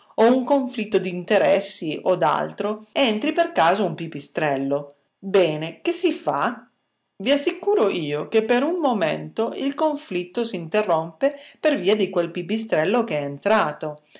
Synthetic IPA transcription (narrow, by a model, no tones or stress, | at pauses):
ouŋkoɱflit̪ːod̪iːnt̪eɾɛsːiʔod̪a̰lt̪ɾoent̪ɾiperkaːzoumpipist̪ɾɛlːo | bɛːnek̟esːifa̰ | viasːikuːɾoʔiːokepːeɾuŋmomḛnt̪oʔilkoɱflit̪ːosiːnt̪erːompeperviːad̪ikwelpipist̪ɾɛlːokeɛent̪ɾaːt̪o